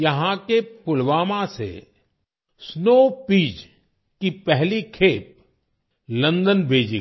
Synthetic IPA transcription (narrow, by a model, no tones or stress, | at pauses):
jɐɦãkepʊlʋaːmãsḛ | snoːpiːd͡ʒ | kipɛɦlikʰeːp̚ | lɐ̃nd̪ənbʱeːd͡ʒi